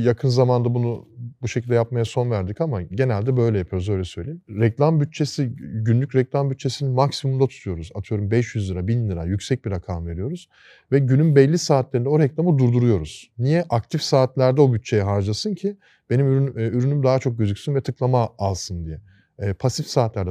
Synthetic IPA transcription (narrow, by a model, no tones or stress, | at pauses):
jakʰɯnzamand̪abunubuʃe̞cʰilʲd̪ɛjap̚majaso̞nvæɾd̪icamaɟe̞nælʲd̪ɛbø̞jlʲɛjapʰɯjoɾuzø̞jlʲɛsø̞jlʲeimɾɛclʲˠambyt̪̚t͡ʃʰe̞siɟynlʲycɾɛclʲˠambyt̪̚t͡ʃʰːe̞sininmaksimumd̪at̪ʰu̥t̪ʰujo̞ɾuza̰t̪ʰɯjo̞ɾumbɛʃjyzlʲˠɯɾabinlʲiɾa̰jycsɛc̚biɾakʰamve̞ɾijo̞ɾuz̥ | vɛɟynymbɛlʲːisaːt̪lʲeɾindɛo̞ɾɛclʲˠamɯd̪uɾd̪uɾujo̞ɾuz̥nijɛʔakt̪ʰifsaːt̪lʲæɾd̪ɛo̞byt̪̚t͡ʃʰe̞jɛɦaɾd͡ʒasɯncʰi | b̥e̞nimyɾynymd̪aɦat͡ʃʰo̞k̚ɟøzycʲsynvɛt̪ʰɯklˠamaːlˠsɯnd̪ijɛː | pʰasifsaːt̪lʲæɾd̪ɛ